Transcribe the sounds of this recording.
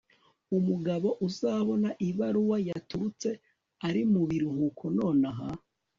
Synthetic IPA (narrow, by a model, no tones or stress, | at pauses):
umuɡaβo̞ʔuzaːβo̞naʔiβaɾuwajatuɾut͡se̞ | aɾimuβiɾuhukʰo̞no̞ːnaɦa